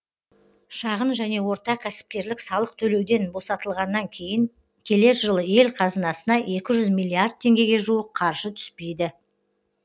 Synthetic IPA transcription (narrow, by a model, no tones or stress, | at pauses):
ʃɑʁənʒæne̞wo̞ɾt̪ɑkʲʰæsɪ̥p̚kʲe̞ɾlɪksɑlˠəq̚t̪ʰɵle̞wd̪e̞nbo̞sɑt̪əlˠʁɑnːɑŋkʲʰe̞jɪŋ | kʲʰe̞le̞ɾʒəlˠəje̞lqʰɑzənɑsənɑʔe̞kʲɪʒʏzmilʲːiard̪̚t̪ʰe̞ŋɡʲe̞ɡʲe̞ʒuəqʰɑɾʒ̥ət̪ʰʏ̥spe̞jd̪ɪ